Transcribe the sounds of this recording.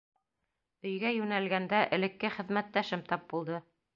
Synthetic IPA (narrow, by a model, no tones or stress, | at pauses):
ɵ̆jɡæjʉnælɡænd̪æʔɘ̆lɘ̆kːɘχɘ̆ðmæt̪ːæʃɘmt̪ɑp̚bulˠd̪ɤ